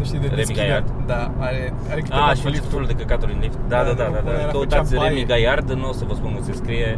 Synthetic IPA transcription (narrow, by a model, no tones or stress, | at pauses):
nuʃt̪id̪eɾemiɡajard̪d̪a | aɾe | aɾek̪eaʃit̪fululd̪ekəkat̪oɾinlift̪d̪ad̪ad̪ad̪ad̪akəut̪atsʲɾemiɡajard̪ɨnːowsəvəspunkəseskɾije